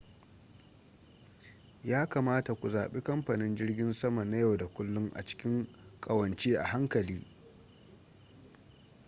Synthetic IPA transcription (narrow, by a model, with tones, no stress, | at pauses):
jaː˦kaː˨maː˦ta˨kʷu˨zaː˨ɓe˦kɐ˦mɸa˨nɪ˦nd͡ʒɪ˦rɡʲɪ˦nsɐ˦ma˨na˦ja˦˨wda˨kʷʊ˦lːʊ˦ŋʔa̰˨t͡ʃɪ̥˦kʲɪ˦ŋ | kʼɐ˨wɐ˨nt͡ʃeː˦ʔa̰˨ɦa˦ŋkɐ˨liː˦